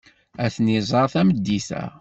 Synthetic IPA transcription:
æθnːizˤɑɾˤθæməd̪ːiθæ̰

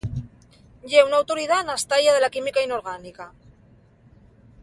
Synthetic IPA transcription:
ʎeunawt̪oɾið̞anast̪aʎaðe̞lakimikainoɾɣ̞anika

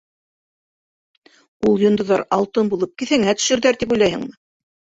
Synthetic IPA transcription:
ulˠjŏnd̪ŏðɑɾɑlˠt̪ɤnbulˠɤp̚kiθhæŋæt̪ɵ̥̆ʃɘ̆ɾðæɾt̪ip̬ujlˠɑjhɤ̰̆ŋmɤ

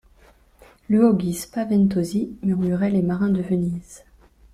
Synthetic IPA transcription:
lyɔɡʲispavɛnt̪ozimyʁmyʁɛlemaʁɛ̃d̪əvəniz̥

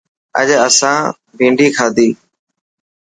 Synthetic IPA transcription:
ə̰ʄəsãː | bʱĩːɳɖiːkʰaːd̪iː

